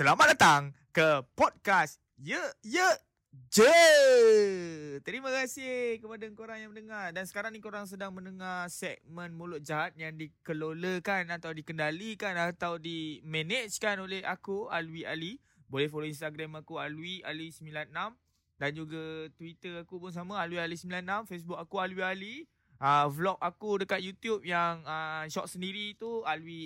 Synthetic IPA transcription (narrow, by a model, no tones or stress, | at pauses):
səlamat̪̚dat̪aŋkəpɔd̚kas | jəjə | d͡ʒə | t̪əɾimãkasɪhhkəpadaŋkoɾaŋjaŋmənəŋardansə̥kaɾaŋnikoɾaŋs̬ədaŋmə̃nəŋarsɛk̚mə̃nmulʊt̪̚d͡ʒaɦat̪̚jaŋdikəloləkanat̪awdikəndalikanat̪awdimenet͡ʃkanoleɦa̰kualuwiali | bolɛhfoloins̬t̪aɡɾamakualuia̰luisəmbilanːam | dand͡ʒuɡat̪wit̪əakupʊns̬amãaluwialisəmbilanːãmfes̬buk̚akualuwiali | əvlɔk̚akudəkat̪̚jut̪jup̚jaŋəʃɔʔ̚səndiɾit̪ualwi